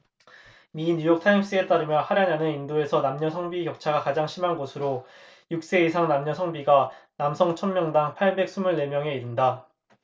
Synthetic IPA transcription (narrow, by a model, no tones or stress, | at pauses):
miɲujʌk̚tʰaims͈ɯe̞t͈aɾɯmjʌnhaɾjananɯnindoe̞sʰʌnamɲʌsʰʌŋbiɡjʌk̚t͡ɕʰaɡakad͡ʑaŋɕʰimanɡosʰɯɾo | juk̚s͈e̞is̬ʰaŋnamɲʌsʰʌŋbiɡanamsʰʌŋt͡ɕʰʌnmːjʌŋdaŋpʰaɭbe̞k̚s͈umuɭːe̞mjʌŋe̞iɾɯnda